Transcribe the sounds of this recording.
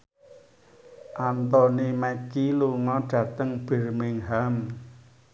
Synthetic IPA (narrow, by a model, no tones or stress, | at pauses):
ʔant̪ɔnimɛkiluŋɔɖ̥ä̤t̪əŋb̥ə̤rmɪŋɦam